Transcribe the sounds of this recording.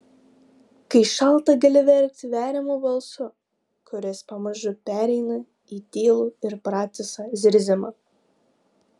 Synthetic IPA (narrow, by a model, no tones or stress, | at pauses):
kɐɪʃɑlˠt̪ɐɡɐlʲɪʋʲɛɾʲk̚t̪ʲʋʲæːɾʲɪmuːbɐlˠsʊ | kʊɾʲɛspɐmɐʒʊpʲæːɾʲɛɪnɐ | iːt̪ʲiːlˠuːɪɾpɾɑːt̪sʲɛsɑzʲɪɾʲzʲɪmɐ